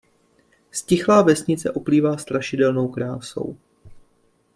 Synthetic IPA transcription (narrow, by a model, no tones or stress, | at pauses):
scɪxlaːvɛsɲɪt͡sɛ̰ʔo̞pliːvaːst̪ɾaʃɪdɛlno̞wkɾaːso̞̰w